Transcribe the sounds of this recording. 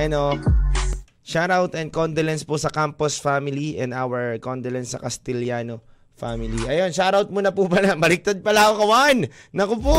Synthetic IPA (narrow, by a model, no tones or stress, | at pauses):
ʔɐno | ʃaɾawt̪ɛnd̪̚kond̪olɛnsposɐkamposfamɪliʔɛ̃nd̪awɛɹkond̪olɛnsːɐ̰kɐst̪ɪljaːno | famɪliʔɐjo̞nʃaɾɐwt̪̚munɐpupɐlamɐlɪk̚t̪ad̪̚pɐlakokɐwanːɐkopo